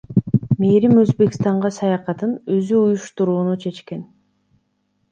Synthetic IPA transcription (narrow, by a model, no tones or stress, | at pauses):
meːɾimø̞zbe̞kst̪ɑɴʁɑsɑjɑqɑt̪ɯnøzyujuʃt̪uɾuːnut͡ʃʰe̞t͡ʃke̞n